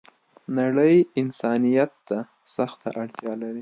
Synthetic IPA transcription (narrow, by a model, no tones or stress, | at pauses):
naɽəjɪnsɑnijat̪ːa | saxt̪a̰ʔaɽt̪jɑlaɾi